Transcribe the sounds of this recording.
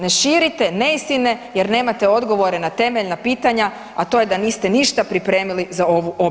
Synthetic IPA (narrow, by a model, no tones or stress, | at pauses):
ne̞ʃiːɾit̪e̞ne̞ist̪ine̞je̞ɾne̞ːmat̪eo̞d̪ɡo̞ʋo̞ɾe̞nat̪e̞me̞ʎnapiːt̪aɲa | at̪o̞ːjed̪aniːst̪e̞niʃt̪apɾipɾe̞ːmilizao̞ʋuʔo̞